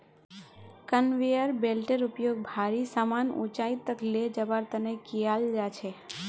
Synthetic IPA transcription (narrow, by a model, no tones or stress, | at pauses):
kənʋejəɾbelʈeɾupjoɡ̚bʱaɾisamanṵ̃t͡ʃait̪ːəkled͡ʒəbaɾt̪ənekijald͡ʒat͡ʃʰe